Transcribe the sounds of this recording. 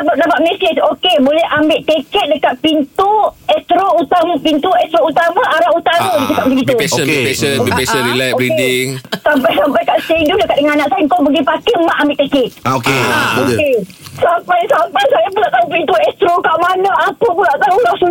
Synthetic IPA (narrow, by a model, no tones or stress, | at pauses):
abadapaʔ̚mɛset͡ʃokebolɛhʔambɪʔt̪ekɛt̪̚dəkat̪̚pint̪uɛst̪ɾout̪ampint̪uɛst̪ɾout̪amãʔaɾaʔut̪aaɡit̪ukaʔd͡ʒiɡit̪usilɛoikediŋsampajsampajkaʔseŋdudəkaʔ̚dəŋannãʔsajŋkowbəɡipakemaʔambɪʔt̪ekɛt̪̚okekesampajsampajsajapulaʔt̪aupint̪uɛst̪ɾokaʔmanɔapəp̬ulaʔt̪aulasu